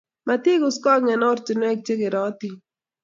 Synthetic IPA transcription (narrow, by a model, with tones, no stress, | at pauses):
ma˨t̪i˦kʊ˦skɔ˦ŋɛ˨nɔ˦ɾt͡ʃɪ˨nwɛ˦k̚t͡ʃe˦ɡɪ˨ɾɔ˦t̪i˨